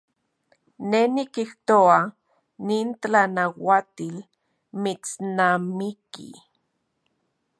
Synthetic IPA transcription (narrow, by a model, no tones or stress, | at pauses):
nenikiht̪oa | niːntt͡ɬanawat̪il | mit͡snamikḭ